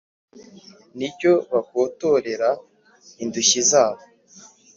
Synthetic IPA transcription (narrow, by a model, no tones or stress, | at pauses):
nibɟo̞βakoːto̞ɾe̞ɾa | induɕizaːβo